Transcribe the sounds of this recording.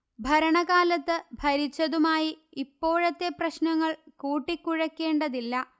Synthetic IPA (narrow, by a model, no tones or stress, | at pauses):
bʱɐɾɐɳɐɣaːlɐt̪ːɨbʱɐɾit͡ɕːɐðumaːjiipːo̞ːɻɐt̪ːe̞prɐɕnɐŋːɐɭkuːʈːikːuɻɐkːe̞ːɳɖɐðilːɐ